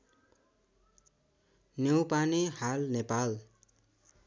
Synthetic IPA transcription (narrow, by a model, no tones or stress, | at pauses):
njewpanehalnepal